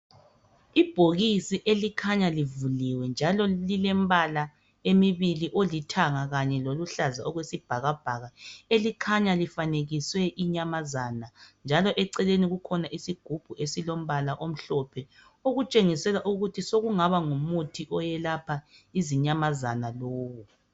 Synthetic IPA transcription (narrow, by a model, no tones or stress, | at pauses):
ib̥ʱoɣisiʔelikʰaɲalivuliwɛnd͡ʒʱalɔlilɛmβala | emiβiliʔolitʰaŋaɣaɲɛloluɬazaɔɣwesib̥ʱaɣab̥ʱaɣaelikʰaɲalifaneɣiswɛʔiɲamazaːnand͡ʒʱalɔʔɛǀɛleniɣukʰɔnaʔisiɡ̥ʱub̥ʱuʔesilom̩βalaʔom̩ɬɔpʰɛ | oɣut͡ʃʼeŋisɛlaʔuɣutʰisoɣuŋaβaŋumutʰiʔɔjɛlapʰaiziɲamazanaloːwu